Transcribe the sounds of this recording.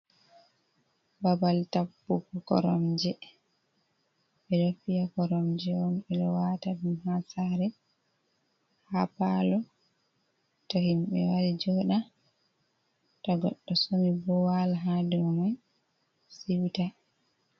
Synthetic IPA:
babaltapːukɔkɔ̰ɾɔmd͡ʒɛ | ɓɛɗɔfijakɔɾɔmd͡ʒɛwɔnɓɛɗɔwaːtaɗunhasaɾɛ | hapalɔ | tɔhimɓɛ̰waɾid͡ʒɔɗa | tɔɡɔɗːɔsomibɔwalaɦadumɔj | siwta

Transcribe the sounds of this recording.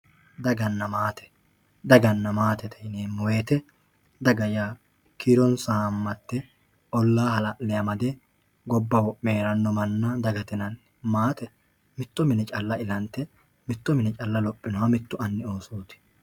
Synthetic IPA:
d̪ɐɡɐnːɐmaːt̪ɛ̥ | d̪ɐɡɐnːɐmaːt̪ɛt̪ʰɛneːmɔweːt̪ɛ | d̪ɐɡɐja | kiɾɔnsamːɐt̪ːɛ | ɔlːaːhɐlɐʔlɛjɐmɐd̪ɛ | ɡɔbːɐwɔpʼːeːɾɐnːɔmɐnːɐd̪ɐɡɐt̪ɪnɐn | maːt̪ɛ | mɪt̪ːɔmɪnɛt͡ʃʼɐlːɐɪlɐnt̪ːɛ | mɪt̪ːɔmɪnɛt͡ʃʼɐlːɐlɔpʼːɪnɔwɐmɪt̪ːʊɐnːɪo̞ːsoːt̪ɪ̥

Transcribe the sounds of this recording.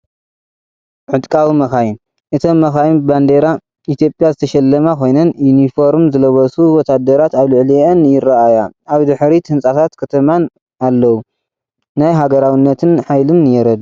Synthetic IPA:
ʕɨt̪ʼkʼawimɐxajim | ʔɨt̪ʰomːɐxajimband̪eɾa | it̪ʰijo̞pʼjazɨt̪ʰɐʃɐlːɐmakʰo̞jnɐnjunifo̞ɾmzɨlɐβɐsuwɔt̪ʰad̪ɐɾat̪aβlɨʕliʔɐnjɪraʔajaaβd̪ɨħɾit̪ʰɨnsʼat̪ʰat̪kʰɐt̪ʰɐman | alːɐwu | najɦaɡɐɾawinːɐt̪ʰɨnħajlɨmːɨjɛɾɐd̪

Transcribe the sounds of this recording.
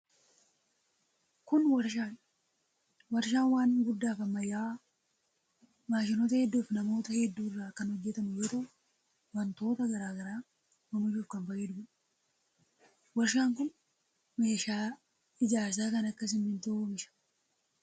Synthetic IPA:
kʊnwɐɾʃaːn | wɐɾʃ̬aːnwaːnɡʊd̪ːaːfɐmːɐjaː | maːʃ̬ɪnoːt̪ɐhɛd̪ːuːfnɐmo̞ːt̪ɐhɛd̪ːuːɪrːaːkɐnhɔd͡ʒːɛt̪ɐmʊjoːt̪ɐʊ | wɐnt̪o̞ːt̪ɐɡɐɾaːɡɐɾaː | wɐmɐʃuːfkɐnfɐjɛd̪ʊɡnɐ̥ | wɐɾʃaːŋkʊn | me̞ːʃaː | ɪd͡ʒaːɾs̬aːkɐnɐkːɐs̬ɪmːɪnt̪ɐumɪʃɐ̥

